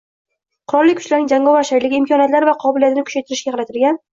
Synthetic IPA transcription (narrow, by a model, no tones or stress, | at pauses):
qʰʊɾɒlˠːɪkʰʊ̥t͡ʃʲlaɾnɪŋd͡ʒaŋɡɒvaʃajlɪɡʲɪɪmkʰɒnjat̪laɾvaqʰɒbɪlijat̪ʰɪnɪkʰʊ̥t͡ʃʰajt̪ʰɪɾɪʃɡʲaqʰɑɾat̪ʰɪlɡʲan